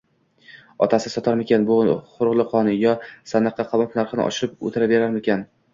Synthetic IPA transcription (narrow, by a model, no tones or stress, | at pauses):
ɒ̰t̪ʰasɪsɒt̪ʰaɾmekʲʰanbʊχʊɾʁlˠɨqʰɒnɪjɒsanːɨqʰːɑqʰɑmɒpnaɾχɨnɪ̰ʔɒ̰ʃɪɾɪp̚o̰t̪ʰɪɾabe̞ɾaɾmekʲan